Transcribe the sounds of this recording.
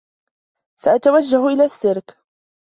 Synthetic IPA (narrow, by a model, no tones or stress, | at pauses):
saʔat̪awad͡ʒːahʔɪlaːsːɪɾk